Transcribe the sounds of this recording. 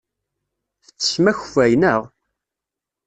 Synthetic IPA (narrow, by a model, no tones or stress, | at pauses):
θə̥t͡sːə̥smæçvæjnəʁ